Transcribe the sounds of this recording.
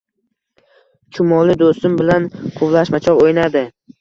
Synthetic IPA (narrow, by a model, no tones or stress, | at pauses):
t͡ʃʰʊmɒlˠɪd̪ost̪ɪmbɪlanqʰʊvlˠaʃmat͡ʃʰɒɾojnad̪ɪ